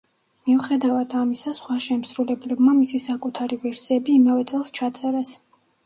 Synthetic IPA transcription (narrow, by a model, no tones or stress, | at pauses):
miuχɛd̪avad̪amisasχwaʃɛmsɾulɛblɛbmamisisakʼut̪ʰaɾivɛɾsiɛbiːmɛvɛt̪sʼɛlˠst͡ʃʰat̪sʼɛɾɛs